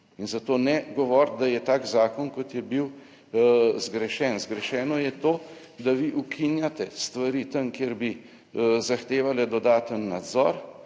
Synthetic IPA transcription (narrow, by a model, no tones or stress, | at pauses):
inzat̪oːnɛɡɔʋɔːɾt̪̚d̪ajɛt̪aːkzaːkɔnkɔt̪jɛbiw | zɡɾɛʃɛːnzɡɾɛʃɛːnɔjɛt̪oː | d̪aʋiʔukʰinjat̪ɛst̪ʋaɾiːt̪əmkjeɾbi | zaxt̪eːʋalɛd̪ɔd̪aːt̪ənːad̪zɔ̰ːɾ